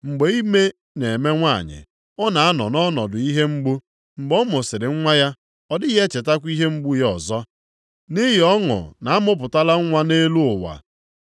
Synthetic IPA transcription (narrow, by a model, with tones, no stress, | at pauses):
ŋ͡m̩˨ɡ͡be˨i˦me˦ | ne˨me˦ŋʷa˦˨ɲɪ̰˨ | ɔ˦na˨a˦nɔ̰˨nɔ˦nɔ˨dʊ˨i˦ɦe˦ŋ͡m̩˦ɡ͡bu˦ | ŋ͡m̩˨ɡ͡bɔ˦mʊ˨sɪ˨ɾɪ˨ŋ̩˦ŋʷa˦ja˦ | ɔ˦dɪ˦ɣe˦t͡ʃe˨ta˦kʷi˦ɦe˦ŋ͡m̩˦ɡ͡bu˦jɔ˨zɔ˦ | ni˦ɦɪ˨ɔ˦ŋʊ̰˨na˨a˦mʊ˦p̬ʊ˨ta˦la˦ŋ̩˦ŋʷa˦ne˦lu˦ʊ˨wa̰˨